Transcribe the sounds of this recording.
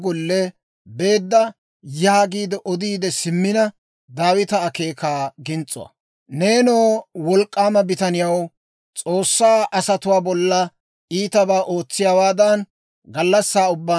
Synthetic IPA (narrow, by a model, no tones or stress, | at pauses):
ɡɔlːɛ | be̞ːd̪ːɐ | jaːɡiːd̪ɛʔɔd̪iːd̪ɛsɪmːɪnɐ | d̪aːwɪt̪ɐːke̞ːkaːɡɪnt͡sʼːʊ̰wɐ̰ | neːnoːwɔlkʼːaːmɐbɪt̪ɐnɪjɐw | t͡sʼo̞ːsːaːʔɐsɐt̪ʊwaːbɔlːɐ | iːt̪ɐbaːʔo̞ːt͡sːɪjaːwaːd̪ɐn | ɡɐlːɐsːaːʊbːa